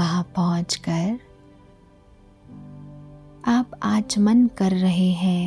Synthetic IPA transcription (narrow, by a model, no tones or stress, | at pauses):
ɐɦãpɔɦʊ̃t͡ʃkɐɾ | aːpaːt͡ʃmənkɐɾːɐɦeɦɛ̃ː